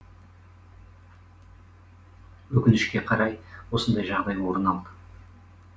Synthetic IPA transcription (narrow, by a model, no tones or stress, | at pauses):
wɵkʲɪnɪʃkʲe̞qʰɑɾɑjwo̞sənd̪ɑjʒɑʁd̪ɑjwo̞ɾənɑlˠd̪ə